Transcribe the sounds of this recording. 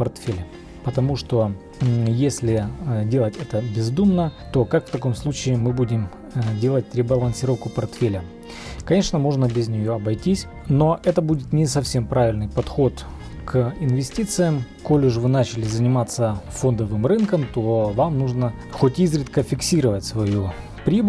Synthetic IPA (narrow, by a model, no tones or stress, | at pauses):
pɐrt̪fʲelʲɪ | pət̪ɐmuʂt̪o̞ | jesʲlʲɪdʲe̞lˠətʲɛt̪əbʲɪzd̪umnət̪o̞kakft̪ɐko̞mslˠut͡ɕɪːmɨbudʲɪm | dʲe̞lˠət̚ʲɾʲɪbɐlˠənʲsʲɪɾo̞fkʊpɐrt̪fʲelʲə | kɐnʲe̞ʂnəmoʐnəbʲɪzʲnʲɪjo̞ɐbɐjtʲisʲ | no̞ʔɛt̪əbudʲɪt̪nʲɪsɐfsʲempɾavʲɪlʲnɨjpɐt̪xo̞t̪ | kʰɪnvʲɪsʲtʲit̪sɨjəm | ko̞lʲɪʐvɨnat͡ɕɪlʲɪzənʲɪmat̪sːəfo̞nd̪əvɨmrɨnkəmt̪o̞vamnuʐnə | xotʲizɾʲɪt̪kəfʲɪksʲiɾəvətʲsvɐju | pɾʲib